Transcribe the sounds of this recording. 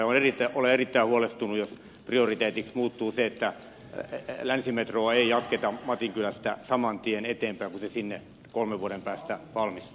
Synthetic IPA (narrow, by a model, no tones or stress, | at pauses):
onerit̪ːˑæʔoleerit̪ːæihuolest̪unujos | priorit̪eːt̪iksmuːt̪ːuːseet̪ːæ | lænsimet̪roːeijɑt̪ket̪ɑmɑt̪iŋkylæst̪æ̰sɑmɑnt̪ienet̪eːmpæˑiŋkusesinːḛ | kolmeʋʋuoɾempæːst̪æʋɑlmist̪u̥